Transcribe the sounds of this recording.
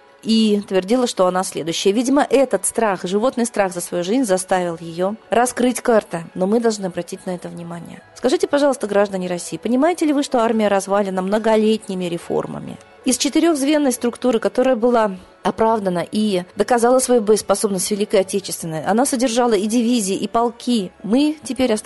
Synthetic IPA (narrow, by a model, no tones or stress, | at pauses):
it̪vʲɪrdʲilˠəʂt̪o̞ɐnasʲlʲe̞d̪ʊɕːɪjəvʲidʲɪməʔɛt̪ət̪st̪ɾaxʐɨvo̞t̪nɨjst̪ɾaɣzəsvɐjuʐɨzʲnʲzɐst̪avʲɪlˠjɪjoɾɐskɾɨtʲkart̪ɨno̞mɨd̪ɐlˠʐnɨɐbɾɐtʲitʲnɐɛt̪əvnʲɪmanʲɪ̰jə̰skɐʐɨtʲɪpɐʐɑlˠəst̪əɡɾaʐd̪ənʲɪɾɐsʲːijːpənʲɪmajɪtʲɪlʲɪvɨʂt̪o̞armʲɪjəɾɐzvalʲɪnəmnəɡɐlʲetʲnʲɪmʲɪɾʲɪfo̰rmə̰mʲɪ̰ | ɪst͡ɕɪt̪ɨɾʲoxzvʲe̞nːəjst̪ɾʊkt̪uɾɨkɐt̪o̞ɾəjəbɨlˠa | ɐpɾavd̪ənəʔid̪əkɐzalˠəsvɐjubəspɐso̞bnəsʲtʲvʲɪlʲikəjɐtʲet͡ɕɪst̪vʲɪnːəjɐnasədʲɪrʐɑlˠəidʲɪvʲizʲɪːʔipɐlˠkʲimɨtʲɪpʲeɾʲɐ